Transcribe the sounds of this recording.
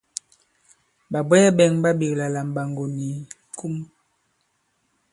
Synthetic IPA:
ba˨bɛ˦jɛ˦bɛ˨ŋba˦bi˨kla˨la˨m˨ba˨ŋɡo˨ni˨ | ku˦m

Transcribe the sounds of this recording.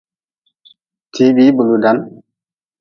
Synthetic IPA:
tʰi˨˦bi˦bu˨lu˨da˨˦n

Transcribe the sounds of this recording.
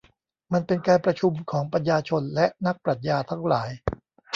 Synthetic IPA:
ma˧npe˧nkaː˧npɾa˧t͡ɕʰu˧mkʰɔː˩˦ŋpɾa˧n̚jaː˧t͡ɕʰo˧nlɛ˦˥ʔna˦˥k̚pɾa˨˩t̪̚jaː˧t̪ʰa˦˥ŋlaː˩˦j

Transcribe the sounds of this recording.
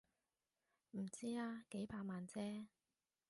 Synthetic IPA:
m̩˨˩t͡siː˥aː˧ke˨˥jpʰaː˧maː˨nt͡sɛː˥

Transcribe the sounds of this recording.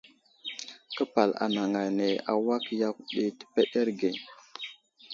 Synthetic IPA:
kə˦pa˨la̰˨na˨ŋa˨ne˨a̰˨wa˦kja˦kɗi˦tə̥˦˨pe˦ɗe˦ɾɡe˨

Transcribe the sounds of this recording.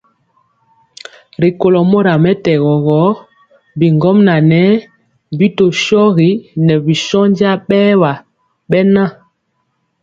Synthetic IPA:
ɾi˨ko˨lɔ˨mo˦ɾa˨mɛ˦tɛ˨ɣɔ˨ɣɔ˨˦ | bi˨ŋɡɔ˦mna˨nɛ˦ | bi˦to˨ʃɔ˦ɣi˨˦nɛ˨bi˨ʃɔ˦n˦d͡ʒi˦a˦ɓɛː˦wa˨ | ɓɛ˦na˦

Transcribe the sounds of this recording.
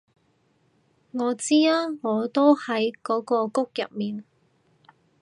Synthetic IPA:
ŋɔː˨˧t͡siː˥aː˥ŋɔː˨˧t̪o˥whɐ˨˥jkɔː˨˥kɔː˧kʊ˥k̚jɐ˨p̚miː˨n

